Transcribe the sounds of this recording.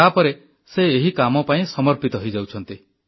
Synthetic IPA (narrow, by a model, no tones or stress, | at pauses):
apɔɾe | seːɦikamɔpaĩsɔmɔɾpit̪ɔɦojd͡ʒawt͡ʃʰɔnt̪i